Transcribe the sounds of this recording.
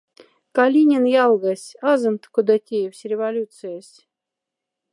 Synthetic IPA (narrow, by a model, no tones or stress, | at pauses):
kalʲinʲenjɑlˠɣəsʲɑzɤ̆nt̪kud̪ɑtʲejewsʲrʲevalʲut̪sɨjəsʲ